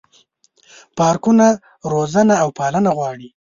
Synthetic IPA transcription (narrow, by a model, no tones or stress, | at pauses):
pɑɾkuna | ɾozanaːwpɑlənaɣwɑːɽi